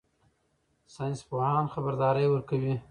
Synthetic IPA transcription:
sɑjnspohɑnxabaɾd̪ɑɾəjwəɾkawi

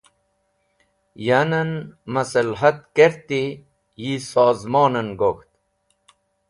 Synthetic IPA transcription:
janɐnmɐsəlɦɐt̪̚keɾt̪i | jisɑːzmɑːnənɡoxt̪

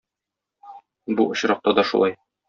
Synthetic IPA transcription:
buŏɕɾɑq̚t̪ɑd̪ɒʃṵlˠɑj

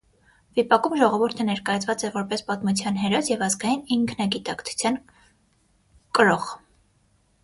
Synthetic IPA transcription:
vipɑkumʒɔʁɔvuɾt̪ʰənɛɾkɑjɑt͡sʰvɑt͡sɛvɔɾpɛspɑt̪mut͡sʰjɑnɦɛɾɔsjɛvɑzɡɑjiniŋkʰnɑɡit̪ɑkt͡sʰu̥t͡sʰjɑn | kəɾɔχ

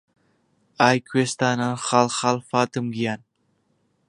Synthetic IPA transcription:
ajkʰwest̪ananχɑlχɑlˠfɑːt̪ɨmɡijan

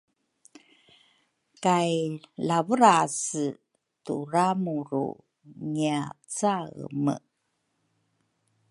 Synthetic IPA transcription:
kajlavəɾasə | tuɾamuɾṵ | ŋiat͡saɣmə̰

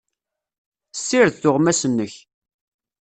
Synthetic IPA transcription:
sːiɾθθʊʁmæsənːəç

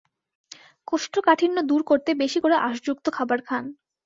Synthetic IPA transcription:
koʃʈʰokaʈʰinːod̪uɾkoɾt̪ebeʃikoɾeʔaʃd͡ʑuk̚t̪okʰabaɾkʰan

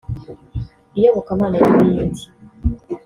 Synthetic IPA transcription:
ijoβokamaːnajiβiːndi

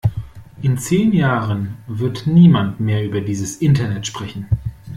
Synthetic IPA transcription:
ʔɪnt͡seːnjaːʁənvɪɐtniːmantmeːɐyːbɐdiːzəsʔɪntɐnɛtʃpʁ̥ɛçn̩

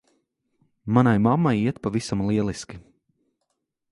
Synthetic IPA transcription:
manajmamːajiɛt̪pavisamlˠiɛlˠiskʲi

